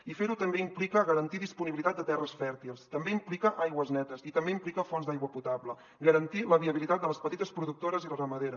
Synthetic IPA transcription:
ifeɾut̪əmbeimplikəɣəɾənt̪iðispuniβilit̪at̪d̪ət̪ɛrəsfɛɾt̪ilˠst̪əmbeimplikəʔajɣwəznɛt̪əsit̪əmbeimplikəfɔnzd̪ajɣwəput̪aβlə | ɡəɾənt̪iləβiəβilit̪at̪̚d̪ələspət̪it̪əspɾuðuk̚t̪oɾəzilərəməðeɾə

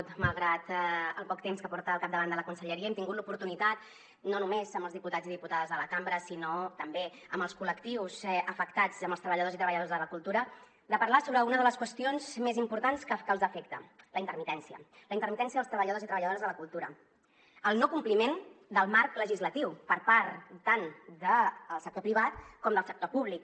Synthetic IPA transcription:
t̪məlˠɣɾat̪əlˠpɔkt̪emskəpɔɾt̪əːlˠkap̚d̪əβand̪ələkunsəʎəɾiəɛmt̪iŋɡut̪lupuɾt̪unit̪at̪ | nonumezəmbəlˠzðiput̪ad͡ziðiput̪aðəzðələkambɾəsinot̪əmbe | əmbəlˠskuləkt̪iwzəfəkt̪ad͡zəmbəlˠst̪ɾəβəʎəðozit̪ɾəβəʎəðozðələkulˠt̪uɾə | d̪əpəɾlasoβɾəunəðələskwəst̪ionzmezimpuɾt̪anskəkəlˠzəfɛkt̪ələint̪əɾmit̪ɛnsiə̰ləint̪əɾmit̪ɛnsiəðəlˠst̪ɾəβəʎəðozit̪ɾəβəʎəðoɾəzðələkulˠt̪uɾə | əlˠnokumplimend̪əlˠmaɾkləʒizlət̪iwpəɾpaɾt̪t̪and̪əːlˠsək̚t̪opɾiβ̞at̪̚kɔmd̪əlˠsək̚t̪opuβlik̚

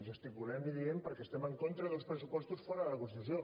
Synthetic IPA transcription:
zəst̪ipulɛmbiðiempəɾkɛːst̪ɛməŋkont̪ɾəðəlˠspɾəsupɔst̪usfɔɾəðələkunst̪it̪usjo

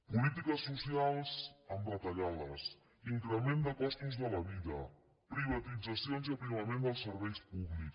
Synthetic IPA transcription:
pulit̪ikəsːusialˠsəmbət̪əʎaləs | iŋkɾəmend̪əkɔst̪uzðələβiðə | pɾiβət̪id͡zəsionziəpɾiβəmend̪əlˠsəɾβɛjspuβlik

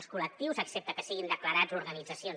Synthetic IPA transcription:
skulək̚t̪iwzəksep̚t̪əkəsiɣind̪əkləɾazuɾɣənid͡zəsion

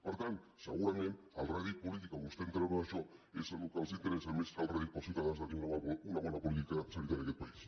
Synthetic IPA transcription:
oɾt̪ansa̰ɣuɾaŋen | alraɣejpolit̪ikaɣust̪ent̪ɾeβaðasoesanukasint̪eɾesameskalraɣijposit̪aðasd̪akiŋaβaulaɣolapolit̪ikaasaɾit̪aɾakepais

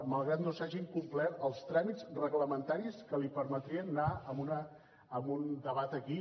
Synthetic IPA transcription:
məlˠɣɾat̪nosaʒiŋkumplɛt̪əlˠst̪ɾamizrəɣləmənt̪aɾiskəlipəɾmət̪ɾiənːaəmunəː | mund̪əβat̪əki

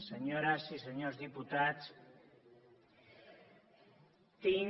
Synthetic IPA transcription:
seɲoɾasiseɲozðiput̪as | t̪iɲ

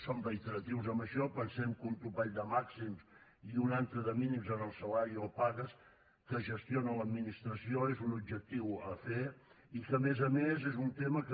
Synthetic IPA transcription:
sombəit̪əɾət̪iwzəmbəʃɔpənsɛmkunt̪ɾuβaʎd̪əmaksimsiunant̪ɾəðəminimzənəlˠsəlaɾiopaɣəs | kəʒəst̪ionələd̪minist̪ɾəsioezunubʒək̚t̪iwəfe | ikəmezəmezezunt̪emək

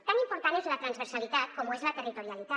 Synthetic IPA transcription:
t̪animpuɾt̪anezlat̪ɾanzβeɾsalit̪at̪̚kɔmuezlat̪erit̪oɾjalit̪a

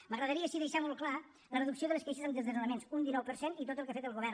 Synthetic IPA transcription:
məɣɾəðəɾiəːʃiðəʃamɔlˠkla | lərəðuksioðələskejʃəzəmd̪əzðəzuləmensund̪inɔwpəɾsenit̪ot̪əlˠkafet̪əlˠɣuβ̞ɛr

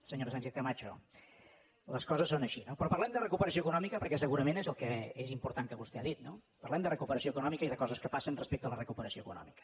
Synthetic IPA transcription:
səɲoɾsanʲʃeθkəmat͡ʃo | ləskɔzəsːonəʃinopɾɔpəɾlɛmd̪ərəkupəɾəsioəkunɔmikəpəɾkɛsəɣuɾəmenezəlˠkɛezimpuɾt̪aŋkəβust̪ɛaðit̪nopərlɛmd̪ərəkupəɾəsioəkunɔmikəiðəkɔzəskəpasənrəspek̚t̪ələrəkupəɾəsioəkunɔ̰mikə̥

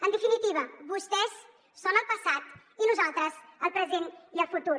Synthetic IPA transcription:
ənd̪efinit̪iβɐbust̪ɛsː | onəlpɐsat̪ | inuzalt̪ɾəzəlpɾəzent̪iəlfut̪uɾ

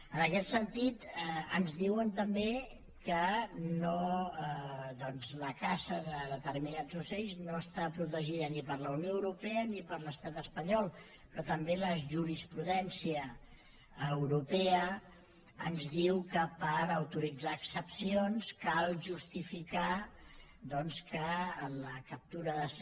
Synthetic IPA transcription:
ənəkɛt̪sənt̪it̪ə̰nzðiwənt̪əmbe | kəno | ðɔnzləkasəðəðət̪ərminad͡zusɛʎznoəst̪apɾut̪əʒiðənipəɾləunjoəwɾupɛənipəɾləst̪at̪əspəɲɔlˠ | pɾɔt̪əmbeləʒuɾispɾuðɛnsiə | əwɾupeə | ənzðiwkəpəɾəwt̪uɾid͡zaːksəpsionskalˠʒust̪ifika | ðɔnskəːləkəp̚t̪uɾəðəs

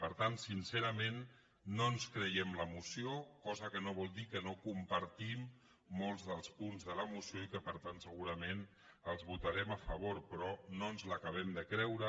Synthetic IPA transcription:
pəɾt̪ansinsɛɾəmenː | onskɾəjɛmləmusiokɔzəkənoβ̞ɔlˠd̪ikənokumpəɾt̪imː | olˠzðəlˠspunzðələmusioikəpəɾt̪ant̪səɣuɾəmen | əlˠzβut̪aɾɛməfəβ̞oɾpɾɔnoənzləkəβ̞ɛmd̪əkɾɛwɾə

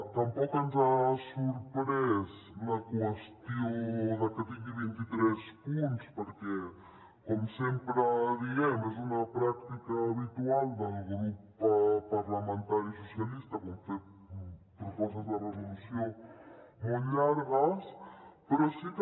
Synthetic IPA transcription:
t̪ɐmpokanzasuɾpɾesnɐkuast̪jownɐkat̪iɣiβint̪it̪ɾespũnt̪u̥spoɾke | komʊsẽmpɾaðiɣɛmosunɐpɾakt̪ikɐːβit̪uald̪ɐlɣɾuppapaɾlamẽnt̪aɾis̬osjalist̪ɐkomfe | pɾofos̬t̪azðɐreβulusjõ | moʎaɾɣaspeɾosit̪

